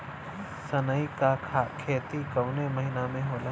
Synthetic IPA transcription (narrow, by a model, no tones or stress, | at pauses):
sənəikakʰakʰeːt̪ikɐwnemɐɦinamẽɦoːla